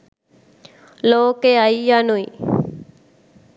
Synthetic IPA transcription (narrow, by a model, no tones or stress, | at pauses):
loːkeaijanui